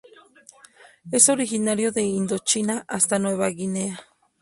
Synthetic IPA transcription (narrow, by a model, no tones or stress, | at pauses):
esoɾixinaɾjoðeind̪ot͡ʃinaʔast̪anweβaɣinea